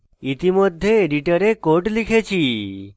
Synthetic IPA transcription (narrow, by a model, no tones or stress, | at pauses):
it̪imɔd̪ʱːjeeɖiʈəɾekoʈlikʰet͡ʃʰi